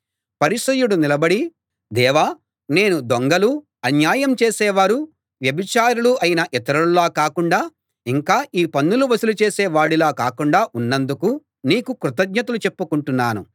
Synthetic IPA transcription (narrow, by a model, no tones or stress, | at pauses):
pɐɾiʂɐjuɽunilɐbɐɽi | d̪ɛːʋaː | ne̞ːnud̪oŋɡɐlu | ɐnjaːjɐmt͡ʃeːsɛːʋaːɾu | ʋjɐbit͡ʃaːɾuɽuɐjinɐʔɛt̪ɐɾulːaːkaːkuɳɖaː | iŋkaːʔiːpɐnːuluʋɐsulut͡ʃe̞ːsɛːʋaːɽilaːkaːkuɳɖaːʔunːɐnd̪uku | niːkukɾut̪ɐɡɲɐt̪ɐlut͡ʃe̞pːukuɳʈunːaːnu